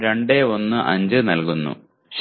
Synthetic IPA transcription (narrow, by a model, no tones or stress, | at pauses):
ɾeɳɖeo̞nːɨʔɐ̰ɲd͡ʑɨnɐlkunːṵ | ɕ